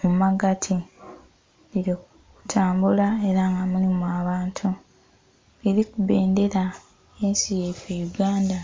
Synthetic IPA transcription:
mumaɡatʰi | liɾoku | utʰaːmbulae̞ɾaŋɡamulimwaːβaːntʰu | eɾikuβeːnde̞ɾa | ensijefejuɡaːnda

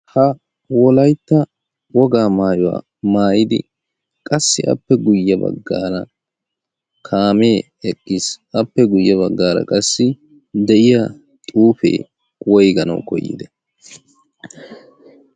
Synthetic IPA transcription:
hɐ | wɔlɐjt̪ːɐ | wɔɡaːmaːjɔwa̰ː | maːjɪd̪ɪ̰ | kʼɐsːɪʔɐ̰pːɛɡʊjːɐbɐ̰ɡːa̰ːɾɐ̰ | kʰaːme̞ː | ɛkʼːɪsɐpːɛɡʊjːɐβɐɡːaːɾɐ̰kʼɐsːɪ | d̪ɛʔɪjɐ | t̪ʼuːfḛː | wɔjɡɐnɐ̰wkɔ̰jːɪ̰d̪ɛ

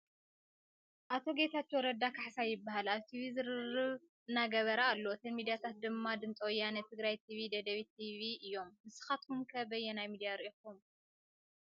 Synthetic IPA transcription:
ʔat̪ʰo̞ɡe̞t̪ʰat̪ːwɔɾɐd̪akʰaħsajɪbːahalaβt̪ʰiβizɨɾɨrɨβ | ɨnːaɡɐβɐɾaːlːo̞t̪ʰɐnmid̪ijat̪ʰat̪̚d̪ɨmːad̪ɨnt͡sʼowjːanɐt̪ʰɨɡɾajt̪ʰiβid̪ɐd̪ɐβit̪ʰiβiʔɨjːo̞mːɨsɨ̥xat̪̚kʰumkʰɐbɐjːɛnajmid̪ijaɾʔikum

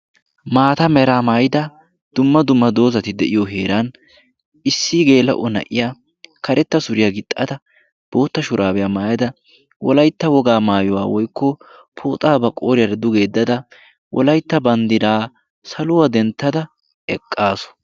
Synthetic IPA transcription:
maːt̪ɐmɛɾaːmaːjɪd̪ɐ | d̪̥ʊmːɐd̪ʊmːɐd̪o̞ːzɐt̪ɪd̪ɛʔɪjɔɦeːɾan | ɪsːiɡe̞ːlɐ̰ʔɔnɐ̰ʔɪjaː | kɐɾʔɛt̪ːɐsʊɾɪjaːɡɪt̪ʼːɐt̪ɐ | b̥o̞ːt̪ːɐʃʊɾʔaːbɛjaːmaːjɐd̪ɐ | wɔ̰lɐjt̪ːɐwɔɡaːmaːjɔwa̰ːwɔjkːɔ | pʰo̰ːt̪ʼaːbɐkʼoːɾɪjɐɾd̪ʊɡe̞ːd̪ːɐd̪ɐ | wʔɔ̰lɐjt̪ːɐbɐnd̪ɪd̪aː | sɐlʊwɐd̪ɛnt̪ːɐd̪ɐ | ɛkʼːaːsɔ̥

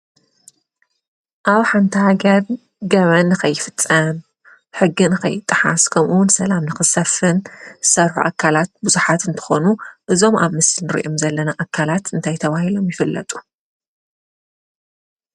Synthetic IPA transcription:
ʔaβħant̪ʰihaɡɐɾ | ɡɐβɐnːɨxɐjːɪfɨt͡sʼːɐm | ħɨɡːinɨkʰɐ̰jːɪt̪ʼːɨħa̰skʰɐmʔuwʊnsɐlamnɨxɨsɐfɨnsɐɾħṵʔa̰kʰːalat̪̚buzuħat̪ɨnt̪ʰɨ̥xo̞nuʔɨzo̞ma̰βmɨsɨlnɨɾḭʔomzɐlːɐnaʔakʰːalat̪ɨnt̪ʰajt̪ʰɐβahilo̞mjɪfɨlːɐ̰t̪ʼu̥

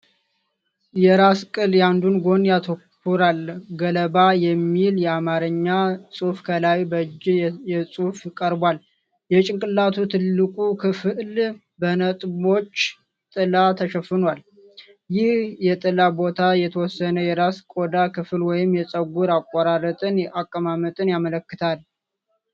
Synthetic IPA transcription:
jɛɾaskʼɨljand̪unɡo̞njat̪ʰokː | uɾalɡələbajɛmːiljɛamaɾəɲːasʼufkʰəlawibəd͡ʒːjɛsʼufjɪkʼəɾbwal | jɛt͡ʃʼɪŋkʼɨlːat̪ʰut̪ʰɨlːɨkʼukʰɨfɨl | bənət̪ʼbo̞t͡ʃː | t̪ʼɨlat̪ʰəʃəfːɨnwal | jɪhjɛt̪ʼɨlabo̞t̪ʰajɛt̪ʰəwɔsːənəjɛɾaskʼod̪akɨfɨlwɔjɪmjɛsʼəɡuɾakʼːaɾaɾət̪ʼɨnjɛʔakʼːəmamət̪ʼɨnjamələkːɨt̪ʰal

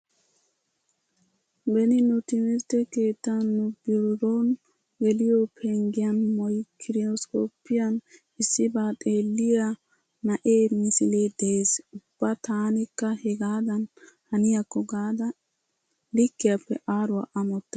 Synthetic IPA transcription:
bɛnɪnʊt̪ɪmɪɾt̪ɛke̞ːt̪ːɐnːʊbɪɾɾoːn | ɡɛlɪjɔpʰeŋɡɪjɐnmɔjkʰɪɾɪɔskoːpːɪjɐn | ɪsːɪbaːt̪ʼeːlːɪja | nɐʔeːmɪsɪleːd̪eeːsʊb̥ːɐt̪aːnɪkːɐhɛɡaːd̪ɐnhɐnɪjɐkːɔɡaːd̪ɐ | lɪkːɪjɐpːɛʔaːɾʊɐʔɐmɔt̪ːɐ̥

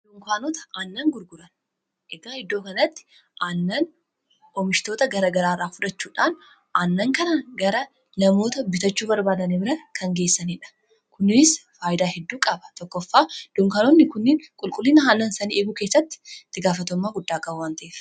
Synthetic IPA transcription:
d̥̪ʊŋkaːnɔt̪ɐ̥ʔanːɐŋɡʊɾɡʊɾɐn | ɛɡaːhɪd̪ːo̞ːkɐnɐt̪ːɪ̥ | ʔanːɐn | ɔmɪʃt̪o̞ːt̪ɐɡɐɾɐɡɐɾaːraːfʊᶑɐt͡ʃːuːᶑaːn | ʔanːɐŋkɐnɐɡɐɾɐ | nɐmo̞ːt̪ɐbɪt̪ɐt͡ʃːuːbɐɾbaːd̪ɐnɪbɪɾɐkʰɐŋɡe̞ːsːɐniːᶑɐ̥ | kʊnɪsfaːjɪd̪aːhɛd̪ːuːkʼɐbɐ̥t̪ɔkːɔfːaːd̪̥ʊŋkaːnɔnːɪkʊnːɪːŋkʼʊlkʼʊlːiːnɐɦaːnːɐnsɐniʔeːɡʊkeːsːɐt̪ːɪ̥t̪ːɪɡaːfɐt̪ɔmːaːɡʊd̪ːaːkʼɐwaːnt̪ɐʔeːf

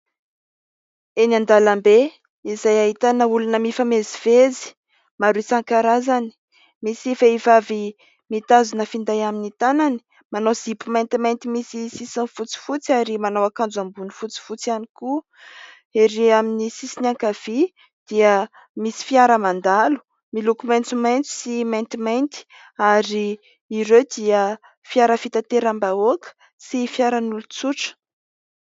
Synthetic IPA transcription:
enand̪alambe | izajaɦit̪anəulunəmifamezivezi̥ | maɾuisaŋkaɾazani̥ | misifaivavi | mit̪azunəfind̪ajaminit̪anani̥ | manowz̥ipumajnt̪imajnt̪imisisisanfut͡si̥fut͡siaɾimanawakand͡zambunifut͡si̥fut͡sianiku | eɾeaminisisinaŋkav̥i | d̪̥iə | misi̥fiaɾəmand̪alu̥ | milukumajnt͡sumajnt͡su̥simajnt̪imajnt̪i̥ | aɾiː | ɾewd̪iə | fiaɾəfit̪at̪eɾambaokə̥ | sifiaɾanulut͡suʈ͡ʂə̥

